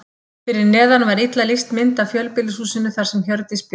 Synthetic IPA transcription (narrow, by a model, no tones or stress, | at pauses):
fɪɾɪɾnɛːðanvaɾɪt̪lalɪst̪mɪnt̪afjœlpɪlɪsuːsɪnːʏθaɾ̥sɛmçœɾt̪ɪsp